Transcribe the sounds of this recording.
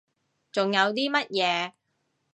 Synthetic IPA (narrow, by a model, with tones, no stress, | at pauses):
t͡sʊ˨ŋjɐ˨˧wt̪iː˥mɐ˥t̚jɛː˨˧